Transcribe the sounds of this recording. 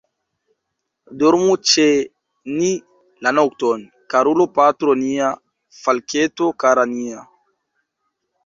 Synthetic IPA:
doɾmut͡ʃe | ni | lanok̚ton | kaɾulopatɾonia | falketokaɾania

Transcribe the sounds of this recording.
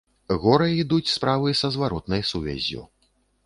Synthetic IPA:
ɣɔɾɐid̪ut͡sʲspɾavɨjsɐzvaɾɔt̪nɐjsuvʲɛ̰zʲːṵ

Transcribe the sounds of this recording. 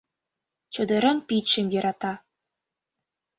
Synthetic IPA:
t͡ɕɤ̆d̪ɤ̆ɾɤ̆npit̪ɕɘ̆mjɤ̆ɾɑt̪ɑ

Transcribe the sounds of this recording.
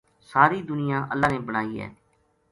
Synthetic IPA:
saːɾiːd̪ʊnɪjãːʔəlːaːneːbəɽ̃aːiːɦɛ̰ː

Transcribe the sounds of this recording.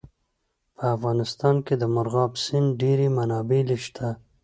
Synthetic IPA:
pʰəafɣɑnɪst̪ɑnked̪əmʊɾɣɑbsɪnɖeɾemanɑbeleʃt̪ʰa

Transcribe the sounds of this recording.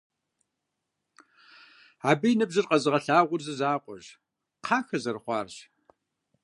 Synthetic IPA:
aːbijnɨbzɨrqʼɐzɨʁɐɬaːʁʷʊrzɨzaːqʷʼɔ̰ʑ | qʰɑːxɐzɐrχʷɑ̰ːrʑ

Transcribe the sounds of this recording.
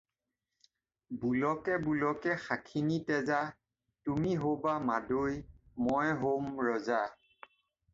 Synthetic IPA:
bulɔkɛbulɔkɛxakʰinitɛza | tumiɦobamadojmɔjɦomɹɔza

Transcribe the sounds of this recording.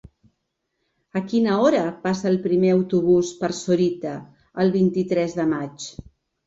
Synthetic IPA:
əkinəɔɾəpasəːlˠpɾimeəwt̪uβ̞uspəɾsuɾit̪əː | lˠβ̞int̪it̪ɾɛzðəmat͡ʃ

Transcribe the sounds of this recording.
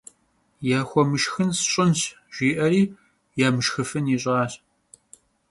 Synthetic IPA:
jaːxʷɔmɨʃxɨnsɕʼɪnɕ | ʒ̥ʷiːʔɐɾiː | jaːmɨʃxɨfɨniɕʼaːɕ

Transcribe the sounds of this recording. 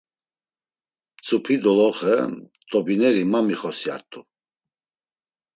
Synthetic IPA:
t͡sʼupʰid̪ɔlɔχə̰ | t̪ʼɔbinɛɾimamiχɔsia̰ɾt̪ʼu

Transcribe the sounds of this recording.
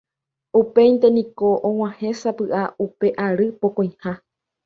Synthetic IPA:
upe̞jnt̪e̞nĩko̞ʔõw̃ãhẽ̞sapɨʔaupe̞ʔaɾɨpokõj̃hã

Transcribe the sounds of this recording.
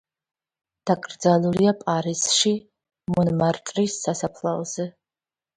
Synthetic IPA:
d̥akʼrd͡zaluɾiapʼaːɾisʂi | munmartʼrisːasapʰlaʁz̥ɨ

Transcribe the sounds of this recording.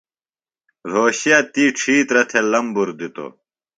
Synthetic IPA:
ɾoːɕijɐt̪iːʈ͡ʂʰiːt̪ɾɐt̪ʰelɐmbuɾd̪it̪o̰

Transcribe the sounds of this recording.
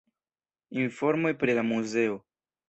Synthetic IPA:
info̞ɾmo̞jpɾilamuze̞o

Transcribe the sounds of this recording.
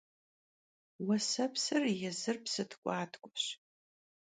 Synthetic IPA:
wɐsɐpʰsɨrjɛzɨrpʰsɨtʰkʷʼaːtʰʼkʷʼʊɕ

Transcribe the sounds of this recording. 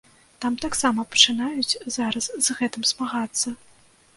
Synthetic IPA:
t̪amt̪aksamɐpɐ̥t͡ʂɨnajut͡sʲzaɾɐszɣɛt̪ɨmzmaɣat̪sːɐ

